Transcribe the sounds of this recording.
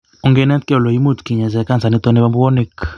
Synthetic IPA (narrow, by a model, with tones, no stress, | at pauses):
u˨ŋɡɛ˦nɛ˦nt̪kɛ˦ɔ˨lɔ˨ji˦mu˦˨tki˨ɲa˨zɛ˨ka˦nd͡za˨ni˦t̪ɔ˦ni˦ba˦mbu˦wɔ˦ni˦k